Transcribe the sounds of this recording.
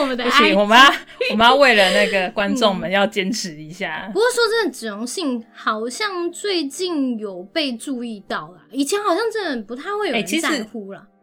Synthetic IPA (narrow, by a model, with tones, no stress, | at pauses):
ɔ˨˩mə˨˦d̪ə˥˩ɕi˨wɔ˨˩m˦a˥wɔ˨mə˦jɑ˥˧we˥˨ɪlə˩na˥˩ɡə˩kwa˦nʈ͡ʂo˥˩ŋmə˨˦njɑ˥˨ʊt͡ɕjɛ˥nʈ͡ʂʰɻ̩˨˦i˧˦ɕja̰˥˩pu˧kwɔ˥˩ʂwɔ˥ʈ͡ʂə˥˩d̪ə˩ʈ͡ʂɻ̩˨˩o˧˦ŋɕi˥˨˩ŋxɑ˨˩ʊɕjɑ˥˧ŋt͡swe˥˧ɪt͡ɕi˥˩njo˨˩ʊpe˥˧ɪʈ͡ʂu˥˧i˥˧t̪ɑ˥˩ʊlə˩i˨˩t͡ɕʰjɛ˧˦nxɑ˨˩ʊɕjɑ˥˧ŋʈ͡ʂə˥˩nə˨˩npu˧˥t̪ʰa˥˧ɪwe˥˩ɪo˨e˥˩t͡ɕʰi˧˥ʂa˥˧˩xu˥lɐ̰˨